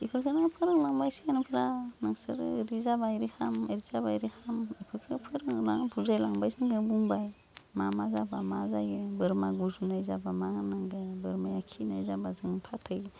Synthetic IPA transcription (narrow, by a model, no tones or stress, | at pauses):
ipʰɯkʰenaŋpʰɯɾɯŋlaŋbajsianupʰɾanaŋsɯɾ̰ɾizabajɾihameɾizaba̰jɾihamipʰɯkʰepʰɯɾɯŋnaŋbʰuzajlaŋbajsiŋɡebuŋbaj | mamazabamazajebɯɾmaɡuzunajzabamahanaŋɡebɯɾmajakʰina̰jzabazɯŋpʰatʰɯj